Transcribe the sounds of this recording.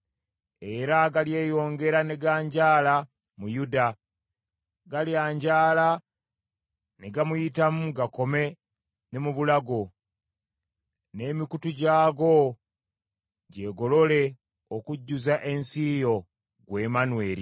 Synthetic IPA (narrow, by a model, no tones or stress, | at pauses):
e̞ɾaɡalje̞ːjo̞ːŋɡe̞ɾane̞ɡaːɲɟaːla | mujuda | ɡaljaːɲɟaːla | neɡamujitamuɡako̞me̞ | nemuβulaɡo̞ | ne̞ːmikutuɟaːɡo̞ | ɟe̞ɡo̞lo̞le̞ | okuɟːuzaʔe̞nsijo̞ | ɡwe̞ːmanwe̞ːɾḭ